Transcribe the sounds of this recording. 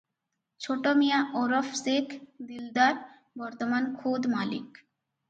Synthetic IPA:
t͡ɕʰoʈomijaʔɔɾofsekʰd̪ild̪aɾ | bɔɾt̪omankʰod̪malḭk

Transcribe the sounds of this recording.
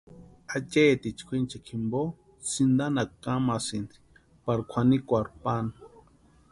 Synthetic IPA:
at͡ʃet̪it͡ʃkʰʷint͡ʃakʰimbo | sind̪anakamasind̪i̥ | paɾkʷʰanikʷaɾpanḁ

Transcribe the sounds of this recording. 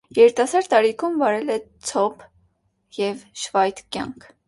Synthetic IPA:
jɛɾit̪ɑsɑɾt̪ːɑɾikʰumvɑɾɛlɛt͡sʰɔpʰ | jɛvʃvɑjt̪kʲjɑ̰ŋkʰ

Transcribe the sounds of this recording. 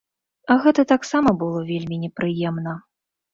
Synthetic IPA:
ɐɣɛt̪ɐt̪aksamɐbɨlˠɔvʲelʲmʲinʲɛpɾɨjɛmnɐ

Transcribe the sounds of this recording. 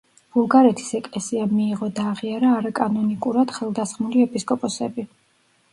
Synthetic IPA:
b̥ulˠɡaɾɛt̪ʰi̥sɛkʼlɛsiamiːʁɔd̪aːʁiaɾaːɾakʼanɔnikʼuɾad̪̥χɛlˠd̪asχmuliɛpʰʼiskʼɔpʼɔsɛ̰bi

